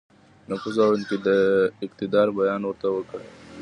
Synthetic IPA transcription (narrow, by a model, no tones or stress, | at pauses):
nafuzawɪnked̪əɪqt̪ɪd̪ɑːɾbajɑːnwəɾt̪awəkə